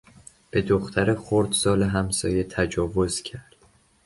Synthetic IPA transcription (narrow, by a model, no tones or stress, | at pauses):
b̥e̞d̪oxt̪ʰæɾexoɾd̪sɒːleɦæmsɒ̰ːjet̪ʰæd͡ʒɒːvo̞zcʰæɾd̪̥